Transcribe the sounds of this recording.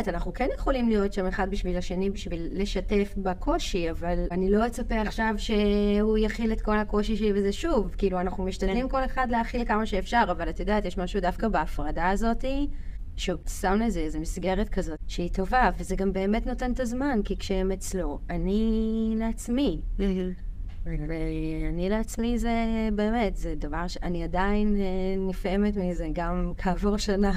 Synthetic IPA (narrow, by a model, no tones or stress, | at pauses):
tanaχnukenjeχo̞limlijo̞tʃame̞χad̚biʃvilaʃenibiʃvilːe̞ʃate̞fbakʰo̞ʃiavalanilo̞et͡sapeaχʃavʃe̞ujaχile̞tko̞lhako̞ʃiʃelibezeʃuvkiiluanaχnumiʃtadlimko̞le̞χadleaχilkamaʃeːfʃaʁavalat̪ajodaːtjeʃmaʃudafkabeːfʁadaːzo̞ti | ʃsamlezeezemisɡe̞ʁetkʰazo̞tʃeito̞vavezeɡambe̞ːme̞tnote̞ntazmankikʃeemet͡slo̞anileat͡smi | veanileat͡smizebe̞ːme̞tzed̪avaʁʃeaniadainnife̞metmizeɡamkʰaːvuʁʃana